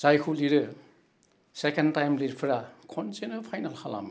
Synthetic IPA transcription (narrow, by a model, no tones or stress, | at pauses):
z̥ajkʰuliɾɯ | sekentajmlitpʰɯɾakʰɔntenɐpʰajnalhʰala̰mɯ